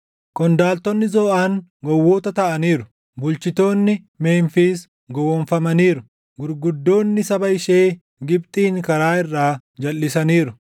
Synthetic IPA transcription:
kɔnd̪aːlt̪ɔnːɪzɔːʔaːŋɡɔwːoːt̪ɐt̪ɐʔɐniːɾʊ̥ | bʊlt͡ʃɪt̪o̞ːnːɪ | me̞ːnfiːs | ɡɔwɔnfɐmɐniːɾʊ | ɡʊɾɡʊd̪ːo̞ːnːɪsɐbɐɪʃe̞ː | ɡɪb̚t̪ʼiːŋkɐɾaːɪrːaː | d͡ʒɐlːɪsɐniːɾʊ

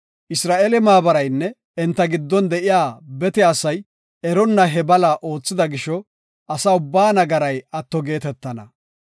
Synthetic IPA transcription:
ʔɪsɾaːʔelɛmaːbɐɾɐjnːɛ | ɛnt̪ːɐɡɪd̪ːɔnd̪ɛʔɪjaːbɛt̪ɛɐsɐj | ɛɾɔnːɐɦɛbɐlaʔo̞ːt͡sːɪd̪ɐɡɪʃɔ | ʔɐsɐʊbːaːnɐɡɐɾɐjɐt̪ːɔɡe̞ːt̪ɛt̪ːɐnɐ

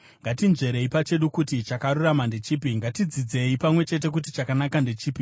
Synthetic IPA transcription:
ŋɡatinʐe̞ɾe̞ipat͡ʃe̞ɗukutit͡ʃakaɾuramande̞t͡ʃiːpiŋɡatid͡zid͡ze̞ipamwe̞t͡ʃe̞t̬e̞k̬ut̬it͡ʃakanakande̞t͡ʃiːpi

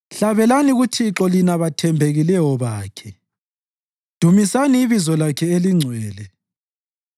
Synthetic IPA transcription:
ɬaβɛlaniɣutʰiǁɔlinaβatʰɛmbʱeɣilɛjɔβaːkʰɛ | d̥ʱumisaniːβizɔlakʰɛeliŋ͡ǀʱwɛːlɛ

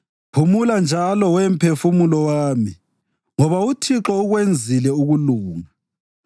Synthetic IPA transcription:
pʰumuland͡ʒʱalɔwɛm̩pʰefumulɔwaːmi | ŋɔβautʰiǁɔuɣwend͡zʱilɛuɣuluːŋa

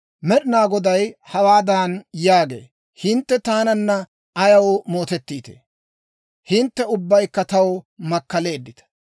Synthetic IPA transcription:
mɛɗɪnaːɡɔd̪ɐjhɐwaːd̪aːnjaːɡḛː | hɪnt̪ːɛt̪aːnɐnːɐ | ɐjɐwmo̞ːt̪ɛt̪ːiːt̪ḛː | hɪnt̪ːɛʊbːɐjkːɐt̪ɐwmɐkːɐle̞ːd̪ːɪt̪ɐ̥

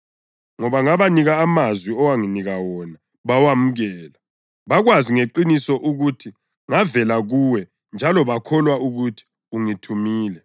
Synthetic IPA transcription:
ŋɔβaŋaβaniɣaːmazwiɔwaŋiniɣawɔna | βawamuɣɛːla | βaɣwaziŋeǃinisɔʔuɣutʰi | ŋavɛlaɣuwɛ | nd͡ʒʱalɔβakʰɔlwauɣutʰi̥ | uŋitʰumiːlɛ

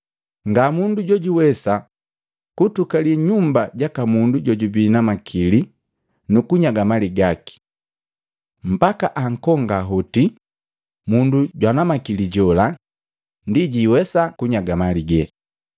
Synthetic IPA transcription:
ŋɡamunduɟɔɟiwɛsa | kutukaliɲumbaɟakamunduɟɔɟubinamakʰili | nukuɲaɡamaliɡaki̥ | m̩bakaʔaŋ̩kɔŋɡaɦɔti | munduɟwanamakiliɟɔla | ndiɟiwɛsakuɲaɡamaliɡɛ

